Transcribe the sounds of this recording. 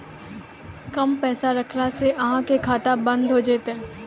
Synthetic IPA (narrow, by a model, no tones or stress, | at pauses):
kɐmpɛːsaɾɐkʰnaseʔɐɦãkekʰaːt̪abɐ̃nd̪ʱɦod͡ʒeːt̪eː